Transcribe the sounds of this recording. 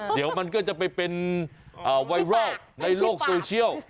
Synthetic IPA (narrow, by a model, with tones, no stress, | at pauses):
di˨˦əwma˧nkɔː˥˩t͡ɕa˨˩pa˧jpe˧nʔaː˨˩wa˧jɾɔː˥˩t̚na˧jloː˥˩k̚soː˧t͡ɕʰi˥˩əw